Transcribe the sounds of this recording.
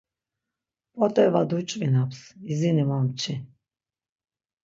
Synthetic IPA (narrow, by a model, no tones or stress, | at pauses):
pʼɔt̪ʼɛvad̪ut͡ʃʼvinapsizinimɔmt͡ʃʰi